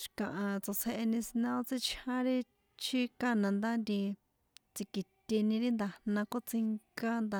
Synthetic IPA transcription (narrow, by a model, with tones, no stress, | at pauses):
ʃi̥˨kã˨ʔa˨t͡so˧se˧ʔe˧nĩ˧si˧nã˧o˦t͡si˦t͡ʃʰã˦ɾi˦ | t͡ʃʰi˦ka˦nã˨˧nd̪a˦nd̪i˧ | t͡si˧ki˨t̪ʲi˧nĩ˧ɾi˦nd̪a˧nã˧ko˦t͡si˧ŋka˦nd̪